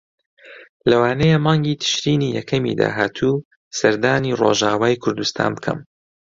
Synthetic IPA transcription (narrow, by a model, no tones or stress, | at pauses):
lɐwaːnɛjemaːŋɡiːt̪ʰɨ̥ʃɾiːnijɛkʰɐmḭd̪a̰ːɦaːt̪ʰuː | sɐɾd̪aːniːro̰ːʒaːwaːjkʰʊɾd̪ust̪ʰa̰ːnbɨkʰɐ̰m